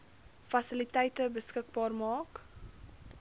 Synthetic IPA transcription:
fɐsəlitɛjtəbəskək̚bɑːrmɑːk

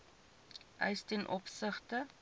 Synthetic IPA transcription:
ʔœ̰jstɛnʔɔpsəχtə

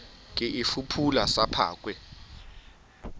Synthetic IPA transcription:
k̬ʼɛʔifupʰulasapʰa̰ːk̬ʼwɛ

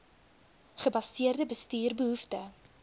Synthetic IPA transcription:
χəbɐsiərdəbəstyːrbəɦuftə

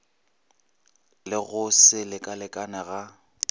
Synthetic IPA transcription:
lɪɣʊsɪlɪkʼalɪkʼanɛɣa

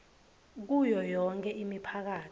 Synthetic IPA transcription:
k̬ujɔjɔŋkʰʼɛʔimipʰak̬aːt

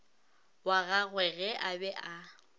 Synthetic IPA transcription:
waɣaɣwɛɣɛʔabɛʔa

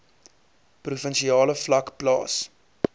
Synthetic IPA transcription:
prufənʃiɑːləflɐkplɑ̰ːs

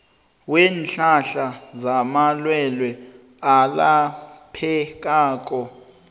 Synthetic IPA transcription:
wɛːnɬaɬazamalwɛlwɛ | alapʰɛk̬ʼaːk̬ʼɔ

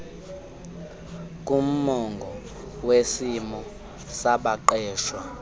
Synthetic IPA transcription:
k̬ʼum̩mɔŋɡʱɔ | wesimɔ | saɓaǃɛːʃwa

